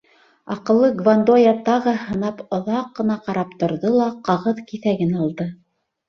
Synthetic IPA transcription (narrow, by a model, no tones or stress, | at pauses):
ɑqɤ̆lˠːɤɡvand̪ojɑt̪ɑʁɤhɤ̆nɑpŏðɑqːɤ̆nɑqɑɾɑp̚t̪ŏɾðɤlˠɑqɑʁɤðkiθæɡɘnɑlˠd̪ɤ